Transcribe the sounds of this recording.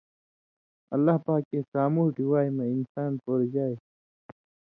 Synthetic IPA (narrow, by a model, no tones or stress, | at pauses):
ɐ̰lːaːɦpaːkːeːsaːmuːʈiwaːemeinsaːnpoːɾd͡ʒaːe